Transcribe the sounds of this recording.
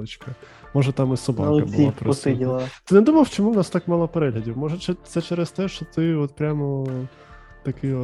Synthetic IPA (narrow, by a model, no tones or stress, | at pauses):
ɪt͡ʃkɐ | mɔʒɛt̪ɑmɪsɔbɑ̰ɐ̰bʲliapɾɔst̪ɪdʲillˠɐt̪ɪnɛd̪umɐlˠwt͡ʃɔmuwnɑst̪ɑkmɑlˠɐpɛɾɛlʲɐdʲiwmɔʒɛt͡ʃɛt̪sɛt͡ʃɛɾɛst̪ɛʃt͡ʃɔt̪ɪɔt̪̚pɾʲamɔ | t̪ɐkɪ